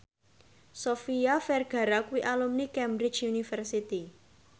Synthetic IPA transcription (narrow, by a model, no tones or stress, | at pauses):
sofiafɛrɡ̥a̤ɾakuwiʔalumnikɛmbɾi̥t͡ʃunifɛrsit̪i